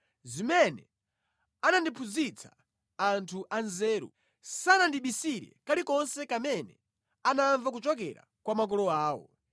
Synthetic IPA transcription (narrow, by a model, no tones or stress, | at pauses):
zimɛnɛ | anandipʰuzit͡sʰḁ | antʰuʔanzɛːɾṵ | sanandiɓisiɾɛ̰kalikɔnsɛkamɛnɛ̰ | anaɱvak̬ut͡ʃɔk̬ɛ̰ɾa̰ | kwamak̬ɔlɔaːwɔ̰